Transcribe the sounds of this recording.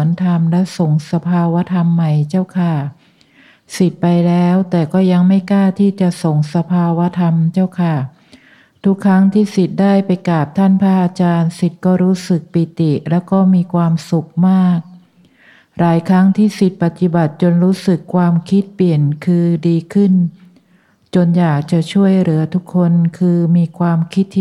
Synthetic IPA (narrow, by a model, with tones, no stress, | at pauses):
ənt̪ʰa˧mlɛ˦˥so˨˩ŋsa˧pʰaː˧wa˦˥t̪ʰa˧mːa˨˩jt͡ɕa˥˩wkʰa˥˩ | si˨˩t̪̚pa˧jlɛː˦˥wt̪ɛː˨˩kɔː˥˩ja˧ŋma˥˩jkaː˥˩t̪ʰiː˥˩t͡ɕa˨˩ʔso˨˩ŋsa˧pʰaː˧wa˦˥t̪ʰa˧mt͡ɕa˥˩wkʰa˥˩ | t̪ʰu˦˥kʰːa˦˥ŋt̪ʰiː˥˩si˨˩t̪̚daː˥˩jpa˧jkaː˨˩p̚t̪ʰa˥˩npʰaː˦˥ʔaː˧t͡ɕaː˧nsi˨˩t̪̚kɔː˥˩ɾuː˦˥sɯ˨˩k̚pi˨˩t̪i˨˩lɛː˦˥wkɔː˥˩miː˧kʰwaː˧msu˨˩k̚maː˥˩k̚ | ɾaː˩˦jkʰɾa˦˥ŋt̪ʰiː˥˩si˨˩t̪̚pa˨˩t̪i˨˩ba˨˩t̪̚t͡ɕo˧nɾuː˦˥sɯ˨˩kʰːwaː˧mkʰi˦˥t̪̚pli˨˩ənkʰɯː˧diː˧kʰɯ˥˩n | t͡ɕo˧njaː˨˩k̚t͡ɕa˨˩ʔt͡ɕʰu˥˩əjɾɯ˩˦ɐt̪ʰu˦˥kʰːo˧nkʰɯː˧miː˧kʰwaː˧mkʰi˦˥t̪ʰː